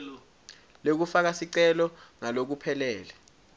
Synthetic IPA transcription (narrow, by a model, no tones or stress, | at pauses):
lok̬ufak̬asiǀɛlɔŋalok̬upʰɛlɛːlɛ